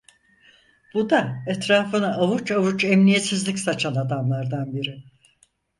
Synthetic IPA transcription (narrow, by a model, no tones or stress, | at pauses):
b̥ud̪aɛt̪ɾaːfɯnaʔːvut͡ʃavut͡ʃɛmnijet̪sizlʲicsat͡ʃʰanad̪amlˠaɾd̪anbiɾɪ